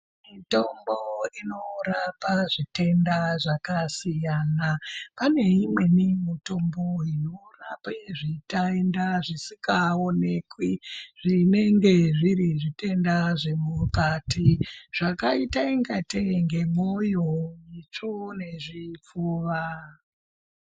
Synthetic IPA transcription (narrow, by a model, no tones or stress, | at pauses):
mito̞mboino̞ɾapaʐite̞ndaʐakasijaːnapane̞imwe̞nimito̞mbo̞inorapaʐitaendaʐisikaone̞ːkwiʐ̥ine̞ŋɡe̞ʐiɾiʐite̞ndaʐe̞mukatiʐ̥akaitaiŋɡateŋɡe̞mojoit͡ʂone̞ʐip͡foːʋa